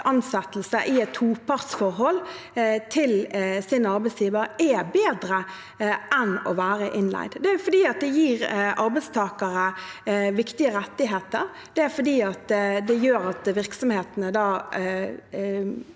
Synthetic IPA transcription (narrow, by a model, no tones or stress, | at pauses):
ʔɑnsɛt̪l̩səʔɪɛt̪ʰuːpʰɑʁtsfɔɾɦɔlː | t̪ʰɪlsɪnəɑɾbæɪsjiːʋəɾɛbeːd̪ɾə | ʔɛnɔ̰ʋæːɾəʔɪnlæ̰ɪd̪d̪ɛæʊfɔd̪iːɑt̪̚d̪ɛjiːɾʔɑɾbæɪst̪ʰɑːkɑɾəʋɪkt̪ɪəɾɛt̪ːɪɦeːt̪əɾ | d̪̥ɛæɾfɔd̪iːɑt̪d̪ɛjøːɾɑt̪ʋɪʁksɔmheːt̪nəd̪ɑː